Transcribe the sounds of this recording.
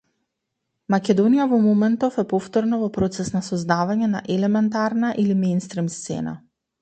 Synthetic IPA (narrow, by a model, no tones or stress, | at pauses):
makɛd̪ɔnijavɔmɔmɛnt̪ɔfɛpɔft̪ɔɾnɔvɔpɾɔt̪sɛsnasɔzd̪avaɲɛna̰ʔɛlɛmɛnt̪̬aɾnaʔilimɛjnst̪ɾimst̪sɛ̰na̰